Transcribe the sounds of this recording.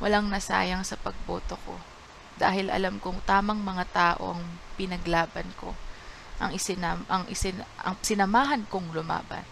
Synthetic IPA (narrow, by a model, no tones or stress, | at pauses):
wʔɐ̰laŋnɐsa̰ːjɐŋsɐpɐɡ̚bo̰ːt̪o̞ko̞̰ | d̪a̰ːhɪlɐ̰lamkʊŋt̪aːmɐŋmɐŋat̪aːʔo̞̰ʔɐŋpɪnɐɡlaːbɐnko̞̰ | ʔɐŋɪsɪnamʔɐŋʔɪsɪnɐ̰ŋsɪnɐmaːɦɐnkʊŋlʊma̰ːbɐ̰n